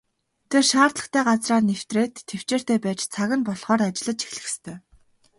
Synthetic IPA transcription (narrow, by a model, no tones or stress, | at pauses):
t̪ʰerʃaːrt̪ɮə̆χt̪ʰæːɢat͡sraːrnew̥t̪reːt̪ʰːew̥t͡ɕeːr̥t̪eːpæːt͡ɕt͡sʰaɣə̆npɔɮχɔːɾat͡ɕɪ̆ɮə̆t͡ɕ̪t͡ɕi̥xɮɘ̆xst̪ʰœː